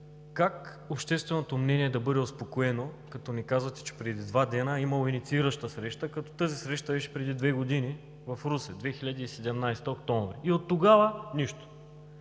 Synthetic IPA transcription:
kak | opʃt̪ɛst̪vɛnot̪omnɛniɛd̪ɐbɤd̪ɛospokoɛnokɐt̪ɔnikazvɐt̪ɛ̥t͡ʃɛ̥pɾɛd̪id̪vad̪ɛnəimɐlˠoinit̪siiɾəʃt̪əsɾɛʃt̪əkɐt̪ɔ̥t̪ɤzisɾɛʃt̪əbɛʃɛ̥pɾɛd̪id̪vɛɡod̪ini | vɐfɾusɛd̪vɛxiʎʲad̪iːsɛd̪ɛmnajst̪əokt̪ɔ̃ɱvɾiiot̪ːoɡavəniʃt̪o̥

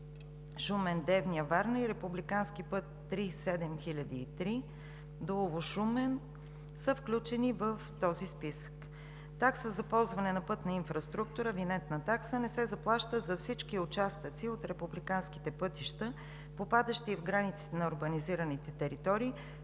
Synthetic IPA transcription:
ʃumɛnd̪ɛvnijəvaɾniɾɛpublikanskipɤt̪ːɾisɛd̪ɛmxilʲɐd̪iːt̪ɾi | d̪oovoʃumɛn | səfklʲut͡ʃɛnivəft̪ɔzispisə̥k | t̪aksəzɐpɔlˠzvɐnɛnɐpɤt̪nɐinfɾɐst̪ɾuk̚t̪uɾəvinɛt̪nɐt̪aksənɛsɛzɐplˠaʃt̪əzɐfsit͡ʃkiʊt͡ʃast̪ət̪siot̪ɾɛpublikansk̟i̥t̪ɛpɤt̪iʃt̪ə | popad̪əʃt̪iːvɡɾanit̪si̥t̪ɛnɐoɾɡəniziɾənit̪ɛt̪ɛɾit̪ɔɾiː

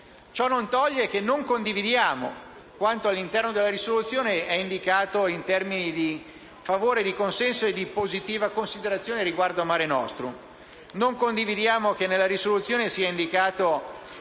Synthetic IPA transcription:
t͡ʃɔnːont̪ɔʎːekenːoŋkond̪ivid̪jaːmo̰ | kwant̪oalːint̪ɛrnod̪elaɾisolut̪sːjoːneɛind̪ikaːt̪oint̪ɛrminid̪i | favoːɾed̪ikonsɛnsoed̪ipozit̪iːvakonsid̪eɾat̪sːjoːneɾiɡward̪oamaːɾenɔst̪ɾo | noŋkond̪ivid̪jaːmokenːelːaɾisolut̪sːjoːnesiːaind̪ikaːt̪o

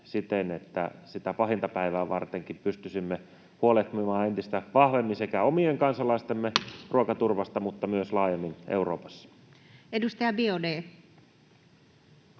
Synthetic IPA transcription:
sit̪enet̪ːæ̰sit̪æpɑɦint̪ɑpæiʋæːʋɑrt̪eŋkimpyst̪ysimːe | huolet̪mimɑːent̪ist̪æʋɑhʋemːinsekæomieŋkɑnsɑlɑist̪emːerʔuokɑt̪urʋɑst̪ɑmut̪ːɑmyøslɑːjemːinʔḛuroːpɑ̥sːɑ̥ | edust̪ɑjɑbiodeː

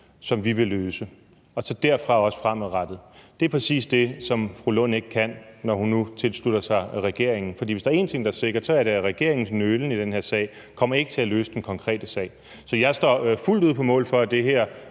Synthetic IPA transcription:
sɒ̽mʋiʋe̝løːsə | ɒ̽sɒ̽d̥æɐ̰fʁɑ̈ɒ̽sə̥fʁam̰æʁad̥ð̩ˠd̥e̝æpʰʁɛsḭːsd̥e̝sɒ̽mfʁulɔ̽ne̝ɡ̥ə̥kʰæn̰nɒhunːut͡sʰe̝lsluɾ̥ɐsɑ̈ɪʁɛɡ̥e̝ɐ̰eŋn̩fɒ̽dḭːʋe̝sd̥ɑ̈ɐe̝̰ːnt͡sʰe̝ŋ̰d̥ɑæɐse̝ɡ̥ɐd̥sɒ̽æɐɾ̥æʁɛɡ̥e̝ɐ̰e̝ŋn̩snølən̩id̥enhe̝ɐ̰sɛ̰ɪ̰ | kʰɒ̽m̰ɐe̝ɡ̥ət͡sʰe̝ælø̰ːsəd̥enkʰɒ̽ŋkʰʁɛ̰ːd̥əsɛ̰ːɪ | sɒ̽jɑ̈ɪsd̥ɒ̰ːful̰duð̞̰ˠpʰɒ̽mɔ̰̽ːlfɒ̽æd̥e̝ɦeɐ̰

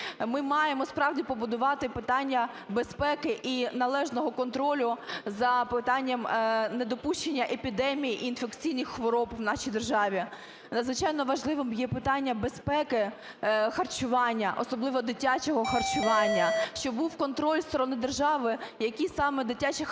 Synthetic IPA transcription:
mɪmɑjemɔspɾɑwdʲipɔbʊd̪ʊʋɑt̪ɪpɪt̪ɑnʲːɐ | bespɛkɪʔinɐlˠɛʒnɔɦɔkɔnt̪ɾɔlʲʊzɐpɪt̪ɑnʲːɐmned̪ɔpuʃt͡ʃenʲːɐʔepʲid̪ɛmʲijiʔːnfekt͡sʲijnʲixxʋɔɾɔpwnɑʃijd̪erʒɑʋʲi | nɐd̪zʋɪt͡ʃɑjnɔʋɐʒlˠɪʋɪmjɛpɪt̪ɑnʲːɐbespɛkɪ | xɐrt͡ʃʊʋɑnʲːɐʔɔ̰sɔblˠɪʋɔd̪ɪtʲat͡ʃɔɦɔxɐrt͡ʃʊʋɑnʲːɐʃt͡ʃɔbuwkɔnt̪ɾɔlʲst̪ɔɾɔnɪd̪erʒɑʋɪjɐkʲisɑmɛd̪ɪtʲat͡ʃɪ

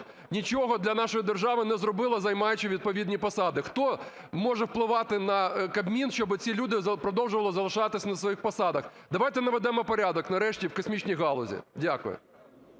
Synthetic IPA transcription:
nʲit͡ʃɔɦɔd̪lʲɐnɑʃɔjid̪erʒɑʋɪnɛzrɔbɪlˠɐzɐjmɑjʊt͡ʃɪʋʲid̪̚pɔʋʲid̪ʲnʲipɐsɑd̪ɪxt̪ɔ | mɔʒɛwplˠɪʋɑt̪ɪnɐkɐbmʲinʃt͡ʃɔbɪt͡sʲilʲud̪ɪzpɾɔd̪ɔwʒʊʋɐlˠɔzɐlˠɪʃɑt̪ɪsʲɐnɐsʋɔjixpɐsɑd̪ɐxd̪ɐʋajt̪ɛnɐʋɛd̪ɛmɔpɔɾʲad̪ɔknɐɾɛʃtʲiwkɔsʲmʲit͡ʃʲnʲijɦɑlˠɔzʲḭdʲakʊ̰jʊ̰

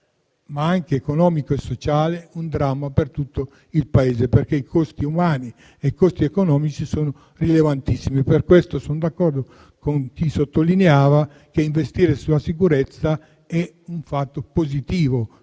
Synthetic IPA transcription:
maaŋkeːkonɔːmikoesːot͡ʃaːleund̪ɾamːapert̪ut̪ːo | ilpaeːzeperkeikʰost̪iumaːni | eikost̪iekonɔːmit͡ʃisoːno | rilevant̪isːimiperkwest̪osond̪akːɔrd̪o | koŋk̟isot̪ːolineaːva | keiɱvest̪iːɾesulasikuɾet̪sːa | ɛ | uɱfat̪ːopozit̪iːvo

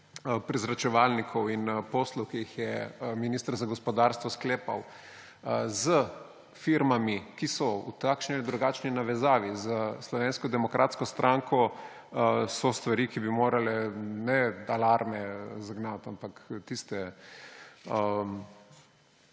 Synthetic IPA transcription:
pɾizɾat͡ʃɛʋalnikʰɔwinpɔsluwkijixjɛminiːst̪əɾzaɡɔspɔd̪aɾst̪ʋɔskleːpa̰w | zə | fiɾmamikisɔṵt̪akʃniald̪ɾuɡaːt͡ʃninaʋɛzaːʋizəslɔʋeːnskɔd̪ɛmɔkɾʔaːt̪skɔst̪ɾʔaŋkʰɔ | sɔst̪ʋaɾikibimoːɾalɛnɛalaɾmɛzaɡnat̪ampakt̪ist̪ɛ | ə

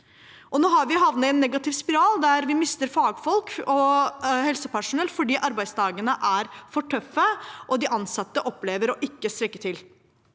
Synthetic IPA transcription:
ʔɔnoːɦɑɾʋɪɦɑʋnəɛnːɛɡɑt̪ɪʋspɪɾɑːld̪æɾʋɪmɪst̪əɾfɑːɡfɔlkɔhɛlsəpæʂʊnɛlːfɔɖiːʔɑɾbæɪsd̪ʰɑːɡənəʔæɾfɔʈʰœfːəʔɔd̪ɪʔɑnsɑt̪ːəʔɔpleːʋəɾɔʔɪkːəst̪ɾɛkːət̪ʰɪl

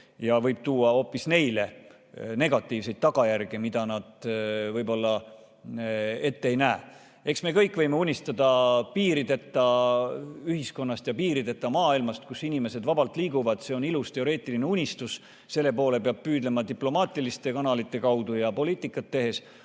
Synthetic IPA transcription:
jɑvɤjb̥̚t̪uːɑo̞pːisne̞jle̞ | ne̞ɡ̥ɑt̪ːˑiːvse̞jd̪̚t̪ːɑɡ̥ɑjærɡ̥emid̪̥ɑnɑd̪̥vɤjbo̞lːɑ | e̞t̪ːeejnæːe | e̞ksme̞ːkɤjkːˑvɤjme̞unʲist̪ɑd̪ɑpiːɾid̪e̞t̪ːɑ | yɦisko̞nːɑst̪jɑpiːɾid̪e̞t̪ːɑmɑːilmɑst̪̚kusːinime̞se̞d̪vɑbɑlt̪ˑliːɡ̥uvɑd̪̥se̞o̞nilust̪e̞o̞ɾe̞ːt̪ːˑiline̞unʲist̪us | se̞lːe̞po̞ːle̞peɑb̥̚pyːd̪le̞mɑt̪iplo̞mɑːt̪ʲːˑilist̪e̞kɑnɑlit̪ːˑe̞kɑwd̪ujɑpo̞liːt̪ːˑikːˑɑt̪ːe̞ɦe̞s

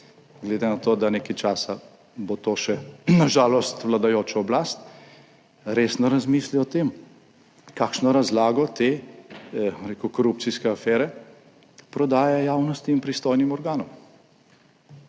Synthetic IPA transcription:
ɡled̪enat̪oːd̪anekajt͡ʃaːsa | bot̪oːʃɛnaʒaːlɔst̪ʋlad̪ajoːt͡ʃɔɔblaːst̪ | ɾeːsnɔɾazmiːsliɔt̪eːm | kaːkʃnɔɾazlaːɡɔt̪eː | ɾeːkukɔɾup̚tsiskɛafɛːɾɛ | pɾɔd̪aːjajaːwnɔst̪iːnpɾist̪oːjnimɔɾɡaːnɔm

